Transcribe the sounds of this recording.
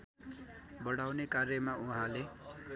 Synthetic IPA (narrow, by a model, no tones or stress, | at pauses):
bʌɽawnekarjʌmauɦãle